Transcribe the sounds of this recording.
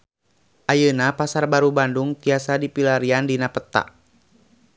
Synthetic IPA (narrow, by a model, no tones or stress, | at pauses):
ʔajənapasarbaɾubanduŋt̪iasadipilaɾiandinapət̪a̰ʔ